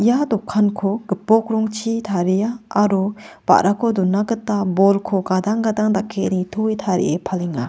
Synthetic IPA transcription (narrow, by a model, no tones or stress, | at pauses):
ijad̪ɔkʰːankʰɔɡɯpɔk̚ɾɔŋt͡ʃʰitʰaɾijaːɾɔb̥a̰ʔɾakʰɔd̪ɔnːaɡɯt̪abɔlkʰɔɡad̪aŋɡad̪aŋdakʰːeʔnit̪ʰɔjt̪ʰaɾḭʔepʰaliŋa̰